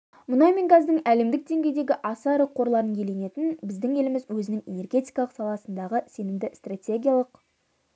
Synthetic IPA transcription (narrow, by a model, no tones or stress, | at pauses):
mʊnɑmʲenɡazd̪əɴæle̞md̪ɪk̚d̪e̞ŋɡʲe̞jd̪e̞ɡʲɪʔɑsɑɾəqʰːo̞ɾlˠɑɾənʰe̞le̞ne̞t̪ɪnbɪzd̪ɪŋe̞lɪmɪzwɵzɪnɪŋe̞̰ne̞rɡʲe̞t̪ʲijkɑlˠəqsɑlˠɑsənd̪ɑʁəse̞nɪmd̪ɪst̪rat̪ʲe̞ɡʲijalˠəq